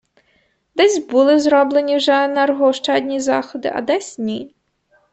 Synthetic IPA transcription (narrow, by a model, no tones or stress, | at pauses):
d̪ɛsʲbulˠɪzɾɔblˠenʲiwʒɛnɛrɦɔʃt͡ʃɑd̪ʲnʲizɑ̰xɔd̪ɪ̰ʔɐ̰d̪ɛsʲnʲi